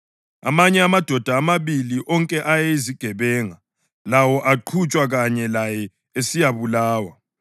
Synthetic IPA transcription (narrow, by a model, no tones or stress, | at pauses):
a̰maɲɛamad̥ʱɔd̥ʱaːmaβiliʔɔŋkʼɛʔajɛiziɡ̥ʱɛβɛːŋa | lawɔʔaǃʰut͡ʃʼwaɣaɲɛlajɛ | esijaβulaːwa